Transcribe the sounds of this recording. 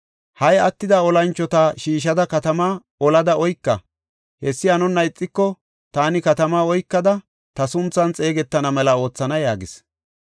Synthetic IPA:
hɐjɐt̪ːɪd̪ɐɔlɐnt͡ʃːɔt̪ɐʃiːʃ̬ɐd̪ɐkɐt̪ɐmaː | ɔlɐd̪ɐɔjkːɐ̰ | hɛsːɪɐnʊnːɐɪt͡sʼːɪkːɔ | t̪aːnɪkɐt̪ɐmaːɔjkːɐd̪ɐ | t̪ɐsʊnt͡sːɐnt͡sʼe̞ːɡɛt̪ːɐnɐmɛlɐo̞ːt͡sːɐnɐjaːɡɪs

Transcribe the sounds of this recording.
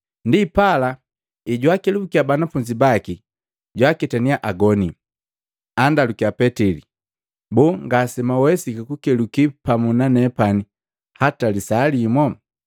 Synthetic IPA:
ndipala | iɟwakilubukiabanafuɲd͡ʒibaki | ɟwakɛtaniaʔaɡɔni | andalukiapɛtili | bɔŋɡasɛmawɛsikakukɛlukipamunanɛpani | hatalisalimɔ

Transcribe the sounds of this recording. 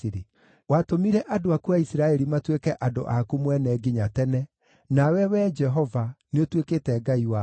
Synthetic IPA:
ɾe | watomiɾɛʔadoakuaisiɾaɛɾimatwekɛʔado̰ʔakumwɛnɛɡiɲatɛnɛ | nawɛwɛd͡ʒɛɦɔvaneotwekeːtɛɡaiwa

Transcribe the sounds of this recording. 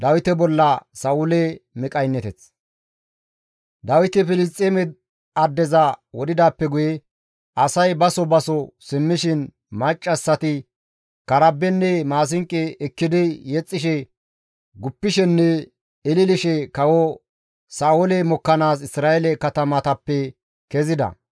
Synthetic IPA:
d̪ɐwɪt̪ɛbɔlːɐsɐʊlɛmɪkʼɐjnːɛt̪ɛt͡s | d̪ɐwɪt̪ɛfɪlɪstʼːeːmɛ | ɐd̪ːɛzɐwɔd̪ɪd̪aːpːɛɡʊjɛ | ɐsɐjbɐsɔbɐsɔsɪmːɪʃɪn | mɐt͡ʃʼːɐsːɐt̪ɪ | kɐɾɐbːɛnːɛmaːs̬ɪŋkʼːɛɛkːɪd̪ɪjɛt͡sʼːɪʃɛ | ɡʊpːɪʃɛnːɛ | ɪlɪlɪʃɛkɐwɔ | saːwɔlɛmɔkːɐnaːs̬ɪsɾaːʔɛlɛkɐt̪ɐmɐt̪ɐpːɛ | kɛzɪd̪ɐ̰

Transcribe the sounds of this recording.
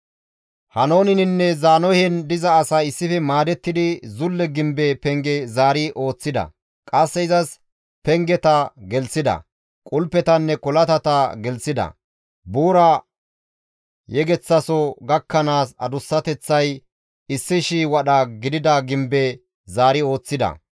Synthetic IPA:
hɐno̞ːnɪnɪnːɛzaːnɔhɛnd̪ɪzɐːsaɪsːɪfɛmaːd̪ɛt̪ːɪd̪ɪzʊlːɛɡɪmbɛpɛŋɡɛzaːɾiʔo̞ːt͡sːɪd̪ɐ̰ | kʼɐsːɛɪzɐs | pɛŋɡɛt̪ɐɡɛlsɪd̪ɐ̰ | kʼʊlpːɛt̪ɐnːɛkɔlɐt̪ɐt̪ɐɡɛlsɪd̪ɐ̰ | buːɾɐ | jɛɡɛt͡sːɐsɔɡɐkːɐnaːsɐd̪ʊsːɐt̪ɛt͡sːɐj | ɪsːɪʃiːwɐɗɐɡɪd̪ɪd̪ɐɡɪmbe | zaːɾɪo̞ːt͡sːɪd̪ɐ̰

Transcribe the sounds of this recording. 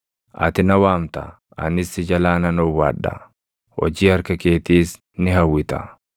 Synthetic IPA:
ʔɐ̰t̪ɪnɐwaːmt̪ɐ̰ | ɐ̰nɪsɪd͡ʒɐlaːnɐnɔwa̰ːᶑːɐ̰ | hɔ̰d͡ʒiːɐɾkɐke̞ːt̪iːs | nɪɦɐwːɪt̪ɐ

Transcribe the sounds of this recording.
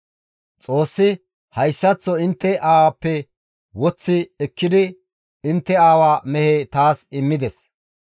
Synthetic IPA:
t͡sʼo̞ːsːɪ | hɐjsːɐt͡sːɔɪnt̪ːɛʔaːwɐpːɛ | wɔt͡sːɪɛkːɪd̪ɪ | ɪnt̪ːɛaːwaːmɛheːt̪aːsɪmːɪd̪ɛs

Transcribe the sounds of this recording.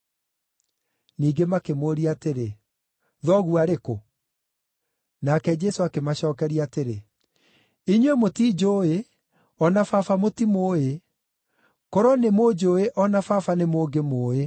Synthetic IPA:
niːɡemakemoɾiateɾe | ðɔɣuaɾeko | nakɛd͡ʒɛsoakemaɕɔːkɛɾiateɾe | iɲwemotiːd͡ʒoːe | ɔnafafamotimoːe | kɔɾɔnemoːd͡ʒoeʔɔnafafanemoːɡemoːe

